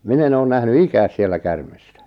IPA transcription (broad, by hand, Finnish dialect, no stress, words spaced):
min en oːn næhny ikæːs sielːæ kærme̥stæ̥